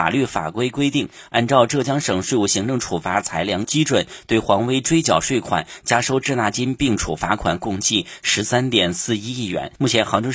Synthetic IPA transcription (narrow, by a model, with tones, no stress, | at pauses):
a̰˨˩ly˥˩fa̰˨˩kwe˥ɪkwe˥ɪt̪i˥˩ŋ | a˥˧nʈ͡ʂɑ˥˧ʊʈ͡ʂɤ˥˩t͡ɕjɑ˥ŋʂɤ˨˩ŋʂwe˥˧ɪu˥˩ɕi˧˥ŋʈ͡ʂʊ˥˩ŋʈ͡ʂʰu˨˩fa˧˥t͡sʰa˧˥ɪljɑ˧˥ŋt͡ɕi˥ʈ͡ʂwə˨˩˦nt̪we˥˩ɪxwɑ˧˥ŋwe˥ɪʈ͡ʂwe˥ɪt͡ɕjɑ˨˩ʊʂwe˥˩ɪkʰwa̰˨˩˦nt͡ɕja˥ʂo˥˧ʊʈ͡ʂɻ̩˥˧na˥˩t͡ɕi˥npi˥˩ŋʈ͡ʂʰṵ˨˩fa˧˥kʰwa̰˨˩nkʊ˥˧ŋt͡ɕi˥˩ʂɻ̩˧˥sa˥nt̪jɛ˨˩nsɹ̩˥˧i˥i˥˩ɥɛ̰˧˥nmu˥˩t͡ɕʰjɛ˧˥nxɑ˧˥ŋʈ͡ʂɤ˥